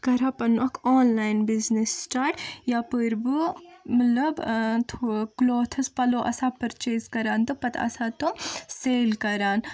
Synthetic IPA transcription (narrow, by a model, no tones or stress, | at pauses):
kɐɾapɐnɐkʰoːnlaːjnbiznisːʈaːɾʈjaːpəɾbumɐt̪lɐbt̪ʰkloːt̪ʰɐspɐloʔɐ̰saːpɐɾt͡ʃeːzkɐɾaːnt̪upɐt̪ʰɐ̰saːt̪umseːlkɐɾaːn